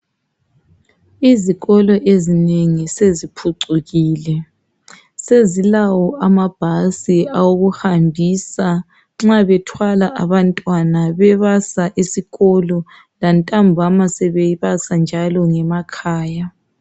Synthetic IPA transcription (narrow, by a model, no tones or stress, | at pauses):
iziɣɔlɔʔezineŋisezipʰuǀuɣiːlɛ | sezilawɔʔamab̥ʱasiawoɣuhambʱisa | ŋ͡ǁaβɛtʰwalaʔaβantʼwanaβɛβasaʔisiɣɔlɔ | lantʼambʱamasɛβɛiβasand͡ʒʱalɔŋɛmakʰaːja